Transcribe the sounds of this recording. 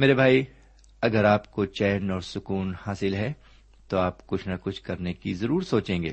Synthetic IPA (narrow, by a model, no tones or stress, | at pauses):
meːɾebʱaːi | ɐɡəɾaːpkot͡ʃɛːnɔːɾsʊkuːnhaːsɪlɦɛ | t̪oaːpkʊt͡ʃʰnɐkʊt͡ʃʰkɐɾnekizɐɾuːɾsoːt͡ʃẽːŋɡḛː